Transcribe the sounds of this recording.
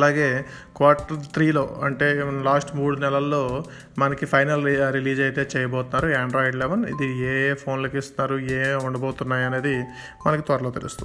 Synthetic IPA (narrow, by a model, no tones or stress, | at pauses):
ɐlaːɡe̞ːkʋaːɾʈɐɾt̪ɾiːlo̞ːɐɳʈe̞ːlaːsʈmuːɽunɛlɐlːo̞ː | mɐnɐkipʰɐjnɐlɾiliːd͡ʒɐjt̪e̞ːt͡ʃɛːjɐbɔːt̪unːaːɾuaːɳɖɾoːjiɖlɛʋɐnḭd̪ieːpʰo̞ːnlɐkist̪unaːɾueːuɳɖɐboːt̪unːaːjɐne̞ːd̪i | mɐnɐkit̪ʋɐɾɐlo̞ːt̪iɾṵst̪ṵi